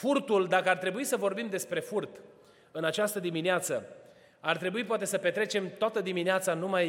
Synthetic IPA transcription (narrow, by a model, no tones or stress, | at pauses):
furt̪uld̪akəart̪ɾe̞buisəvo̞rbimd̪e̞spɾe̞furt̪ | ɨnat͡ʃast̪əd̪imineat̪sə̰ | art̪ɾe̞buip̬oat̪e̞səpe̞t̪ɾe̞t͡ʃe̞mt̪oat̪əd̪imineat̪sanumaj